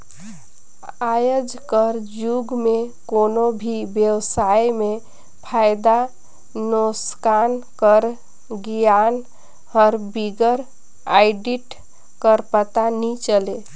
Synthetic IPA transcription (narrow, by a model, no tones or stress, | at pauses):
ajəd͡ʒkəɾd͡ʒuɡmekonobʱibjəwsajme | pʰajd̪a | noskankəɾ | ɡijan | hɔɾbiɡəɾ | ajɖiʈ | kəɾpət̪anit͡ʃəle